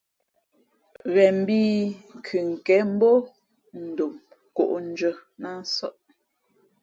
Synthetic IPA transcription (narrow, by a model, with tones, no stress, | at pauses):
ɣɛ˨m̩˨bi˦ŋ̩˨kʰʉ˨ŋ̩˨kɛ˨˦m̩˦bo˦ | n̩˨do˨m | ko̰˨ʔn̩˦d͡ʒə˦na˦˨n˦sɔ˦ʔ